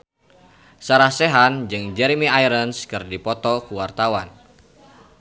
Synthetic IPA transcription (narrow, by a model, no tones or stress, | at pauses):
saɾahsɛɦand͡ʒɨŋd͡ʒɛɾimiajɾənskɨrdipɔt̪ɔkuwart̪awan